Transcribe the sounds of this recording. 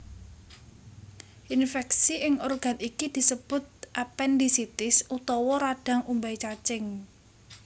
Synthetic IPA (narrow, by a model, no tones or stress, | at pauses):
ʔinfɛksiʔɪŋɔrɡ̥a̤nikid̪̥i̤səb̥ʊ̤t̪̚ʔapɛndisit̪ɪsut̪ɔwɔɾaɖ̥a̤ŋumbait͡ʃat͡ʃɪŋ